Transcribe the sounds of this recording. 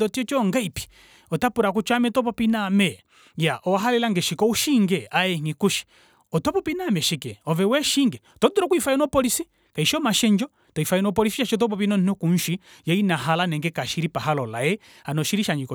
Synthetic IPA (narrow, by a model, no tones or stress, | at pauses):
ɔtiɔt͡ʃɔŋɡaipi̥ | ɔtapuɾak̬ut͡ʃamɛtɔp̬ɔpinamɛ | jaʔɔwaɦalɛlaŋɡɛʃikɔuʃiŋɡɛajɛŋikuʃi̥ | ɔtɔpɔpinamɛʃikɛɔvɛwɛʃiŋɡɛɔtɔduɾɔkuifajɛnɔpɔlisi | kaiʃɔmaʃɛɲd͡ʒɔ | tɔifajɛnɔpɔlisiʃat͡ʃɔt̬ɔp̬ɔpinɔn̩nɔkunʃijainaɦalanɛŋɡɛkaʃiɾipaɦalɔlajɛ | hanɔʃiɾiʃaɲikɔ